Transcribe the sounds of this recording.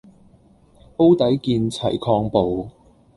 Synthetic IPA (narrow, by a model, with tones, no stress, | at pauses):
po˥wt̪ɐ˨˥jkiː˧nt͡sʰɐ̰˨˩jkʰɔː˧ŋpo˨w